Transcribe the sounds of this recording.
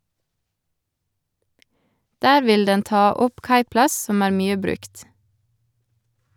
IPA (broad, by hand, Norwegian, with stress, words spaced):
ˈdæːɾ ˈʋɪl ˈdɛn ˈtɑː ˈɔp ˈkɑɪˌplɑs ˈsɔm ˈæːɾ ˈmyːə ˈbɾʉkt